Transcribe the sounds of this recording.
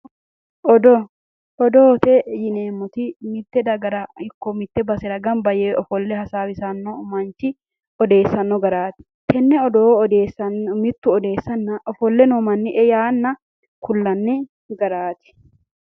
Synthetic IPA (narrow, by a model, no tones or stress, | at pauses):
ɔd̪ɔ | ɔd̪oːt̪ɛjɪneːmːɔt̪ɪmɪt̪ːɛd̪ɐɡɐɾɐɪkːɔmɪt̪ːɛbɐsɛdɐɡɐmbɐjɛɔfɔlːɛhɐsaːwɪsɐnːɔmɐnt͡ʃɪ | ɔd̪e̞ːsːɐnːɔɡɐɾaːt̪ɪ̥ | t̪ʰɛnːɛɔd̪oːɔd̪eːsɐmɪt̪ːʊɔd̪e̞ːsːɐnːɐʔɔfɔlːɛnɔmɐnːɪʔɛjaːnːɐ | kʊlːɐnːɪ | ɡɐɾaːt̪ɪ̥